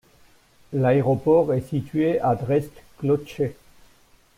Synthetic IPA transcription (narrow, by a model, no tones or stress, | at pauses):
laɛʁɔpɔʁɛsit̪ɥead̪ʁɛst̪klɔt͡ʃe